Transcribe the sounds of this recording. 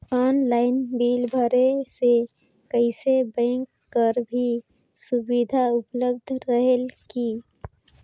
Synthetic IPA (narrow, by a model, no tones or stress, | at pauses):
ɔːnlaːɪnbiːlbʱəɾese | kəɪsebɛ̃ːŋkːəɾbʱi | sʊbid̪ʱaʊpləb̚d̪ʱɾəɦəlki